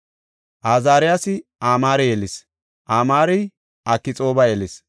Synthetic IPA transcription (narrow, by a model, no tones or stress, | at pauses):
ʔaːzaːɾɪjaːsɪʔaːmaːɾɛjelɪs | ʔaːmaːɾɛj | ʔɐkːɪt͡sʼo̞ːbɐjeːlɪs